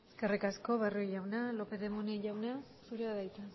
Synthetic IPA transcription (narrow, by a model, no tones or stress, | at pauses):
eskerikaskoβaruiʎawnalopeðemuneʎawna | suɾeaðajt̪a